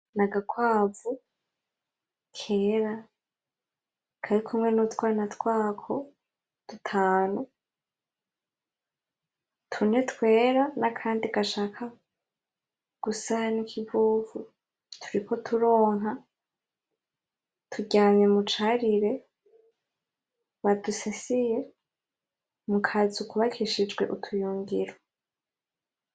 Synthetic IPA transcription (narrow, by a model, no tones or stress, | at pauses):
naɡakwaːvu | kʰe̞ːɾa | kʰaɾikʰumŋe̞nutwaːinatkwaːkʰo̞ | d̥utʰaːnu | tʰune̞tkwe̞ːɾanakʰaːndiɡaʃaːkʰa | ɡ̥usanikʰivuːvu | tʰu̥ɾiko̞tʰuɾo̞ːŋɦa | tʰuɟaːɲɲe̞mut͡ʃaɾiɾe̞ | βadusasije̞ | mukʰazukʰuβakʰiʃid͡ʒɡwe̞̰ʔutʰujuːŋɡiɾa